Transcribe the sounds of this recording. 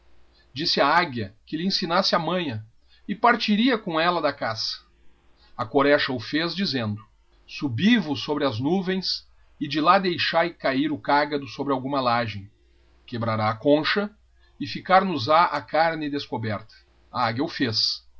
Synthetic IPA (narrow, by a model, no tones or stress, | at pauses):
d͡ʒisɪaaɡjɐkɪlɪẽsinasɪɐmɐ̃j̃ɐ | ɪpaɾt͡ʃiɾiɐkõɛlɐd̪ɐkasɐ̥ | ɐkoɾɛʃɐʊfezd͡ʒizẽnd̪ʊ | subivʊsːobɾɪɐznuvẽj̃s | ɪd͡ʒɪlad̪ejʃajkaiɾʊkaɡɐd̪ʊsobɾɪawɡũmɐlaʒẽj̃ | kebɾaɾaːkõʃɐ | ɪfikaɾnʊzaʔakaɾnɪd̪eskobɛɾt̪ɐ̥ | aaɡjɐʊfes